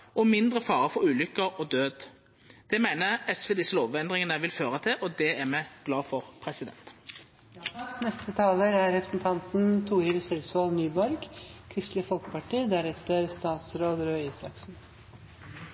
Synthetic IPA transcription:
ɔmɪnd̪ʁəfɑːʁəfɔʁʉːlʏkːəʁɔd̪øːd̪ | d̪̥ɛmæɪnəʁɛsʋeːd̪ɪsːəloːʋɛnd̪ʁɪŋənəʋɪlføːʁət̪ʰɪʔɔd̪ɛæmɛɡ̥lɑːfɔʁpʰʁɛsɪd̪ɛ̰nt̪ | nɛst̪ət̪ʰɑːləɾæɾɾɛpɾəsn̩t̪ʰɑnt̪n̩t̪ʰuːiːɾəsɛlsɑːlnyːbɔɾɡkʰɾɪst̪lɪfɔlkə̥pɑʈʰiːd̪æɾɛt̪əɾst̪ɑːt̪sɾoːd̪ɾøːiːsɑksn̩

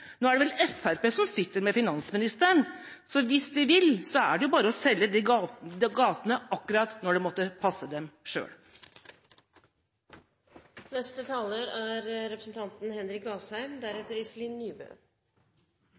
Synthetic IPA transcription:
noːæɖɛʋɛlɛfæɾpeːsɔmsɪt̪ːəɾmɛfɪnɑnsmɪnɪst̪əəɳ | sɔʋɪsd̪ɪʋɪlsɔæ̰ɖɛjʊbɑːɾəɔsɛlːəd̪ɪd̪ɛɡɑːt̪ənəʔɑkːʉɾɑt̪nɔɖɛmɔt̪ːəpʰɑsːəd̪ɛmʂø̰ːɽ | nɛst̪ət̪ʰɑːləɾæɾɾɛpɾəsn̩t̪ʰɑnt̪n̩hɛnɾɪkɑːshæɪmd̪æɾɛt̪ːəɾɪsliːnːyːbø̰ː

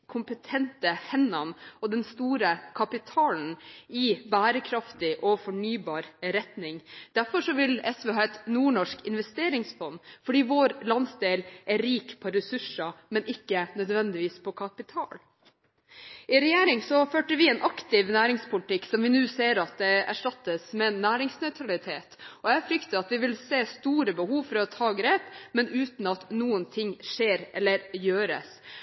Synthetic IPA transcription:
kʰʊmpət̪ʰɛnt̪əhɛnːɑnɔd̪ɛnst̪uːɾəkʰɑpɪt̪ʰɑːln̩ɪbæːɾəkʰɾɑft̪ɪʔɔfɔɳyːbɑːɾɾɛt̪nɪŋd̪̥æɾfɔʂɔʋɪlɛsʋeːɦɑːɛt̪nuːɳɔʂkɪnʋɛst̪eːɾɪŋsfɔnːfɔɖiːʋoːɾlɑnsd̪eːlʔæɾiːkpʰɔɾɛsʉʂɑmɛnɪkːənœd̪ʋɛnd̪ɪʋiːspʰɔkʰɑpɪt̪ʰɑ̰ːl | ʔɪɾɛjeːɾɪŋsɔføːʈəɾʋɪɛːnʔɑkt̪ɪʋnæːɾɪŋspʰʊlɪt̪ɪkːsɔmʋɪnʉːseːɾɑt̪̚d̪ɛæ̰ʂʈɑt̪ːəsmɛnːæːɾɪŋsnœʉt̪ʰɾɑlɪt̪ʰḛːt̪ɔjæfɾʏkt̪əɾɑt̪ʋɪʋɪlseːst̪uːɾəbəhuːʋfɔɾɔt̪ʰɑːɡɾeːpmɛnʉːt̪n̩ɑt̪nuːənt̪ʰɪŋːʂeːɾʔɛ̰lːəɾjøːɾə̰s

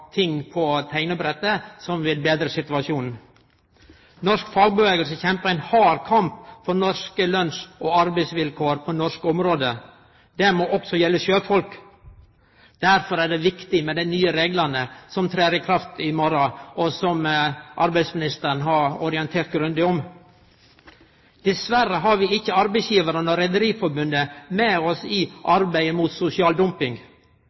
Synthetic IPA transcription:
t̪ʰɪŋːpʰɔt̪ʰæɪnəbɾɛt̪ːəsɔmʋɪlbeːd̪ɾəsɪt̪ʉɑʃuːnn̩ | nɔɾʂkfɑːɡ̚bəʋeːɡəlsəçɛmpəɾæɪnhɑːɾkʰɑmpfɔɾnɔskəlœnsʔɔɑɾbæɪsʋɪlkʰoːɾpʰɔnɔʂkɔmɾoːd̪ə | d̪̥ɛmɔʔɔksɔjɛlːəʃøːfɔlk | d̪̥æɾfɔɾæːɖɛʋɪkt̪ɪmɛd̪ɛnyːəɾeːɡlɑnəsɔmt̪ʰɾeːɾɪkʰɾɑft̪ɪmɔɾɑɔsɔmʔɑɾbæɪsmɪnɪst̪əɾnɦɑɾɔɾɪɛnt̪ʰeːɾt̪̚ɡɾʉnd̪ɪɔm | d̪̥ɛsʋæɾəɦɑɾʋɪɪçːəɑɾbæɪsjiːʋəɾənɔɾɛd̪əɾiːfɔɾbʉnd̪əmɛɔsɪʔɑɾbæɪəmuːt̪sʊsɪɑːld̪ʊmpɪŋɡ

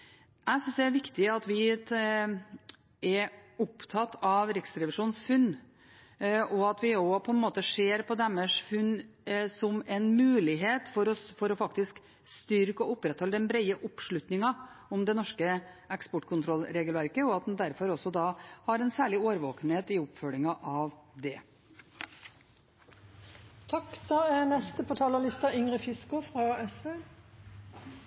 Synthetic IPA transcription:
æɪsʏnsd̪ɛæɾʋɪkt̪ɪɑt̪ʋɪ | ɛɾʊpt̪ʰɑt̪ʰːɑʋɾɪksɾɛʋɪʂuːnsfʉnː | ʔɔɑt̪ʋɪɔpʰɔɛnmoːt̪əʂeːɾpʰɔd̪ɛmːəʂfʉnːsɔmɛnmʉːlɪɦeːt̪fɔɾɔfɔɾɔfɑkt̪ɪsk | st̪ʏɾkəɔʊpːɾɛt̪hɔlːəd̪ɛnbɾɛɪəʔʊpʂɭʉt̪nɪŋɑʊmd̪ɛnɔʂkəɛkspɔʈːkʰʊnt̪ʰɾɔlɾeːɡəlʋæɾkəɔɑt̪̚d̪nd̪æɾfɔɾɔsɔd̪ɑːhɑɾɛnsæːɭɪoːɾʋoːkəneːt̪ɪʊpfœlɪŋɑʔɑʋd̪ɛ | t̪ʰɑkd̪ɑːɛnɛst̪əpʰɔt̪ʰɑːləlɪst̪ɑʏŋʁəfɪskʊfʁɑɛsʋeː

